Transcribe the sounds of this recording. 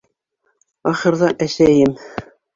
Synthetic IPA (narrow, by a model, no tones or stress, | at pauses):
ɑχɤ̆ɾðɑʔæʃæjɘm